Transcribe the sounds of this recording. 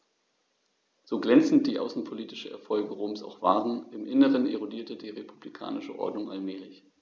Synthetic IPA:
z̥oːɡlɛnt͡sn̩t̚d̥iːʔa̰ʊsn̩pʰoliːtɪ̥ʃəʔɛ̰ɐfɔlɡəʁoːmsa̰ʊxv̥aːʁənʔɪmʔɪnəʁənʔḛʁodiːɐtədiːʁepʰublikʰa̰ːnɪʃəʔɔ̰ɐdnʊŋʔalmɛːlɪç

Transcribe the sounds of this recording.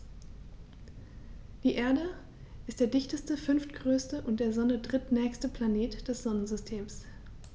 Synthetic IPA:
d̥iːʔeːɐdə | ʔɪstd̥eːɐdɪçtəstəfʏnftɡ̥ʁøːstəʔʊntd̥eːɐzɔnədʁɪtnɛːçstəpʰl̥aneːtd̥ɛsz̥ɔnənzʏstʰeːms

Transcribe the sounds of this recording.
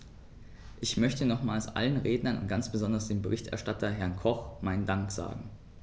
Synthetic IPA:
ʔɪçmœçtənɔχmaːlsʔa̰lənʁeːdnɐnʊ̰ntɡ̥ant͡sb̥əzɔndɐsd̥eːmbəʁɪçtʔɛ̰ɐʃtatʰɐɦɛɐnkʰɔχmaɪndaŋkz̥a̰ːɡŋ̩

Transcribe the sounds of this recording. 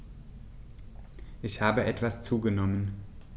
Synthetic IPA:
ʔɪçhaːbəʔɛtv̥ast͡suːɡənɔmən

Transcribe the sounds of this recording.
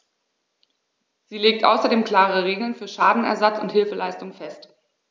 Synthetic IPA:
z̥iːleːk̚tʔa̰ʊsɐdeːmkl̥aːʁəʁ̞eːɡl̩nfyːɐʃaːdn̩ɛ̰ɐzat͡sʊnthɪlfəlaɪstʊŋfɛst

